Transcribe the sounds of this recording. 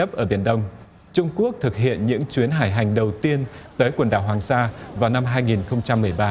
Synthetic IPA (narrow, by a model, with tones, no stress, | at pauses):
ə˦˥p̚ʔəː˧˩ɓi˧˩ənɗə˧wŋ͡m | t͡ɕʊ˧ŋ͡mku˦˥ək̚t̪ʰɨ˨˩k̚ɦḭ˧˨ənɲɨ̰˧˥ŋt͡ɕwi˨˦ənɦaː˧˩jɦa˨˩jŋ̟ɗə˨˩wt̪i˧ənt̪əː˨˦jkwə˨˩nɗa̰ː˧˩wɦwaː˨˩ŋsaː˧vaː˨˩wna˧mɦaː˧jŋi˨˩nxə˧wŋ͡mt͡ɕa˧mːɨ˨˩əjɓaː˧